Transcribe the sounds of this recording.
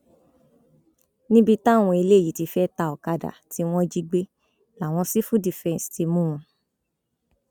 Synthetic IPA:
nĩ˦bi˧tã˦˨w̃ɔ̃˧i˧le˦˨i˨ti˧fɛ˦ta˧˨ɔ˨ka˧da̰˨ti˨˦w̃ɔ̃˦d͡ʒi˧ɡ͡be˦ | la˨w̃ɔ̃˧si˦fũ˦di˨fɛ̃˧n˨sti˧mũ˦ũ˧

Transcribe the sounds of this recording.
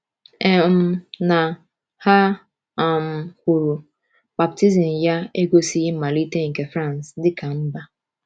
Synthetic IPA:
e˨m̩˦na˨ | ha˦˨ | m̩˨kʷu˨ɾu˨ | ba˨p̚ti˦zi˨n˨ja˦e˦ɡo˦si˦ji˦m̩˦ma˨li˦te˦ŋ̩˨ke˨fɾã˦˨nsdɪ˦ka˨m̩˦ba˦

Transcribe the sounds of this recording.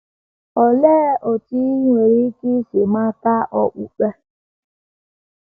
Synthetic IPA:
ɔ˨leː˦ʔo˨ti˦ŋʷe˨ɾi˦ki˦si˨ma˦ta˦ʔɔ˨k͡pu˨k͡pe˦

